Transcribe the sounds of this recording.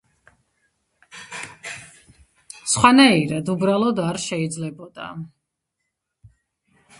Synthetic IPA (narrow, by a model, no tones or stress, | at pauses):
sχwanaiɾad̪ubɾalˠɔd̪aɾʃɛid̪zlɛbɔd̪̥a̰